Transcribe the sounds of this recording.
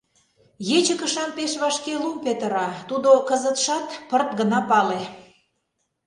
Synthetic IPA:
jet͡ɕəkə̆ʃɑmpeʃβɑʃkelumpet̪əɾɑt̪ud̪okəzət̪ʃɑt̪pərt̪̚ɡənɑpɑle

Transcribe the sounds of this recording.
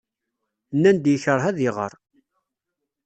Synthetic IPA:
nːænd̪jəçəɾˤɦæðiʁə̰ɾˤ

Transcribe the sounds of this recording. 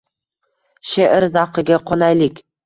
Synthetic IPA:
ʃeʔɪɾzaqɨɡʲaqʰɒnajlɪkʲ

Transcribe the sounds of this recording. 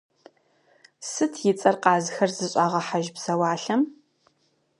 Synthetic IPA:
sɨtʰjɪt͡sʼɐrqɑːzɨxɐrzɨɕʼaːʁɐħaʒbsɐwaːɬɐm

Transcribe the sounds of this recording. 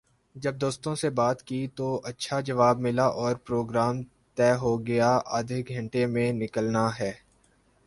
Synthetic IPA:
d͡ʒɐb̚d̪oːst̪õsebaːt̪kiːt̪oʔɐtːʃʰad͡ʒɐʋaːb̚mɪlaʔɔːɾpɾoːɡɾaːm | t̪ɛːɦoɡɐjaʔəd̪ʱɪkɡʱɐ̃ɳʈemẽnɪkəlnaɦɛː

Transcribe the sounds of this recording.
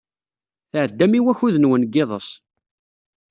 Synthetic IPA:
θʕəd̪ːæmiwæçuðənwənɡːɪðˤəs

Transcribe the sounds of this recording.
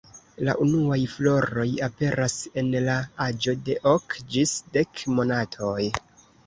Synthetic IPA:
la̰ʔunuajflo̞ɾo̞jape̞ɾʔase̞nlaad͡ʒo̞de̞ʔokd͡ʒisde̞kmo̞natʰo̞j

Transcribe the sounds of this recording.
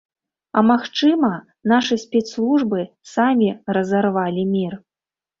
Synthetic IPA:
ɐmaxt͡ʂɨmɐ | naʂɨsʲpʲɛt̪slˠuʐbɨ | samʲirɐzarvalʲimʲir

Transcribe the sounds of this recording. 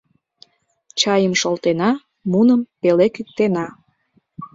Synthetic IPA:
t͡ɕɑjəmʃolt̪enɑ | munəmpelekyk̚t̪enɑ

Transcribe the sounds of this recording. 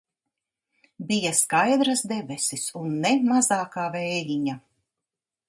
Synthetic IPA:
bijaskajd̪ɾazd̪ɛbʲɛsisunːemazaːkaːvɛjliɲa

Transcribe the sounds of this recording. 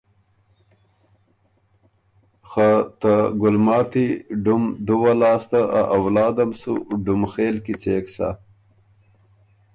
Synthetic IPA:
xat̪aɡʊlmɑːt̪iɖumɖuwalɑːst̪aʔaʔawlɑːd̪amsṵɖumxeːlkit͡seːksa̰

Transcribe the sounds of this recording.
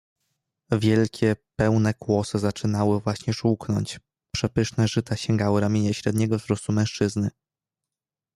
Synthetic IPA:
vʲjɛlkʲɛpɛwnɛkwɔsɘzat͡ʂɘnawɘvwaɕɲɛʂuknɔ̰ɲt͡ɕ | pʂɛpɘʂnɛʐɘt̪aɕɛŋɡawɘɾamʲjeɲɛɕɾɛd̪ɲɛɡɔvzɾɔst̪umɛ̃w̃ʂt͡ʂɘznɘ

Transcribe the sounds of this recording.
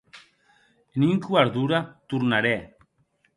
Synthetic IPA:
eniŋkuaɾðuɾat̪uɾnaɾe

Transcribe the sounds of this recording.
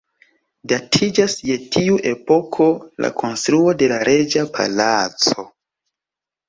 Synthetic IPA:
datʰid͡ʒasje̞tiuʔe̞po̞kʰo̞la̰kʰo̞nstɾuo̞de̞laɾe̞d͡ʒapʰa̰lat͡so̞

